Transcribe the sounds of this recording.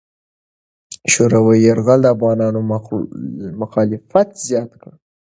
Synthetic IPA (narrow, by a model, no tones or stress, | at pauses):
ʃoɾawajaɾɣald̪əafɣɑnɑno | mʊxɑlɪfat̪zjɑt̪kə